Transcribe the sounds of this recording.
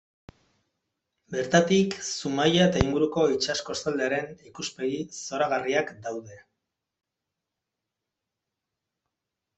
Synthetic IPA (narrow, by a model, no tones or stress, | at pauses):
be̞ɾt̪at̪iksumajaet̪aiŋɡuɾuko̞it͡ʃasko̞stald̪e̞aɾe̞nikuspe̞ɣiso̞ɾaɣ̞ariakd̪awðe̞